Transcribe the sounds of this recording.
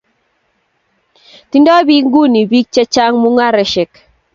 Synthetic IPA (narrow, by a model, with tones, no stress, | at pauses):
ti˦ndɔ˦bi˦ŋ˦ɡu˦˨ni˨bi˦k̚t͡ʃe˦t͡ʃa˦ŋmu˦ŋa˦ɾɛ˨ʃɛ˨k